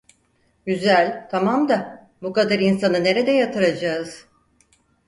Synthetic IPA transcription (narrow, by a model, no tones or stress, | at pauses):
ɟyzælʲt̪ʰamamd̪a | bukad̪aɾinsanɯne̞ɾe̞d̪ɛjat̪ʰɯɾad͡ʒaːɯz̥